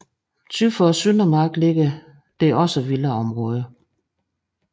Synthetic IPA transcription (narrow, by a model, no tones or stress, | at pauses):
t͡sʰyðfɒsynɐmɑ̈ɡ̥le̝ɡ̥ə | d̥e̝ɒ̽səʋiləɒ̽mʁɔ̽ːð̞ˠə